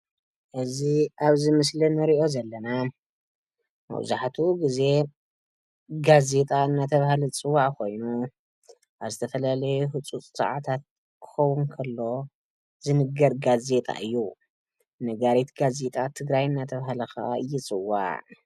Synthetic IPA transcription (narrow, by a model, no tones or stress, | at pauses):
ʔɨziaβzɨmɨslɨnɨɾiʔo̞zɐlːɐna | mɐ̰w̰zaħat̪ʰuɡize̞ | ɡaze̞t̪ʼaɨnːat̪ʰɐβhalit͡sʼɨwːaʕkʰo̞jnu | ʔaβzɨt̪ʰɐfɐlalɐjuhɨt͡sʼut͡sʼsʼa̰ʕat̪ʰat̪̚ | kʰɨ̥xɐwunkʰɐlːo̞ | zɨnɨɡːɐɾɡaze̞t̪ʼa̰ʔɨjːu | nɐɡaɾit̪ɡaze̞t̪ʼat̪ʰɨɡɾajɨnːat̪ʰɐβɦalɐxaɨjːɪt͡sʼɨwːa̰ʕ